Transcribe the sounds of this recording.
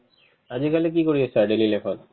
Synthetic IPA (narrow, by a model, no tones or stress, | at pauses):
ad͡ʑikalek̬ikoɾiet͡ɕʰaɖelilepʰɔn